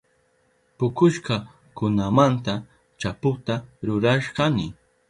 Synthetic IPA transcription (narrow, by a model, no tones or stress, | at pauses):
pʊkʊʃɢɑ | kʊnamant̪a | t͡ʃapʊt̪aɾʊɾaʃɢɑnɪ